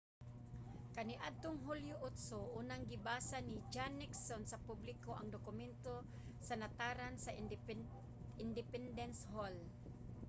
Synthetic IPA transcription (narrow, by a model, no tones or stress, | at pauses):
kanɪʔad̪̚t̪oŋɦuljʊʔʊt̪soʔuːnaŋɡɪbasanid͡ʒanːɪksonsapublɪkoʔaŋd̪okʊmɛnt̪o | sanat̪aːɾansa | ɪnd̪ɪpɛnd̪ɛnshol